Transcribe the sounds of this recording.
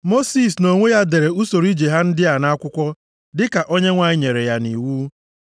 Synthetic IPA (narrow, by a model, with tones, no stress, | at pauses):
mo˦si˦˨s̬no˨ŋʷe˦ja˦de˨ɾe˨u˦so˨ɾi˦d͡ʒe˨ɦa˦n̩˦dɪ˦a˨na˦a˦kʷʊ˦kʷɔ˦ | dɪ˦ka˨ʔo˦ɲe˦ŋʷa˨ɲɪ˦ɲe˨ɾe˨ja˦ni˨wuː˦